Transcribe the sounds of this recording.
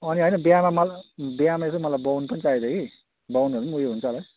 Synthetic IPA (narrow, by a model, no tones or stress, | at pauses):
ʌniɦʌjnʌbiamamʌlbjamaest̪omʌlajbʌwnpʌnit͡saɦid̪ʌki | bʌwnʌɾmujeɦunt͡sʰʌlaj